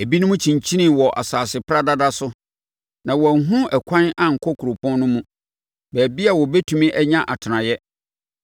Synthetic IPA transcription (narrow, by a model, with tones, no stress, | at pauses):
e˨bi˦nʊ̃˦mũ˦t͡ɕʰĩ˨ɲt͡ɕʰi˦nĩ˦˨wɔ˨ʔa̰˨saː˨sɪ˨pʰɾa˦da˦da˦sʊ˦ | nã˨wɔ˨˦ɦũ˦ɛ˨kʷʰã˦na˨ŋ̩˨kʰɔ˦kʰu˨ɾo˨pʰɔ̃˦nnʊ̃˦mũ˦ | bæː˨bi˦a˨wɔ˨be˦tʰũ˨mĩ˦ʔɛ˦ɲã˦ʔa˨tʰɪ˨nã˨jɛ˦